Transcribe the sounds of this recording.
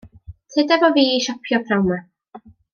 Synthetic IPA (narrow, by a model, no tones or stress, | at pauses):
tʰɛdavɔviːiʃɔpʰjɔpʰrawma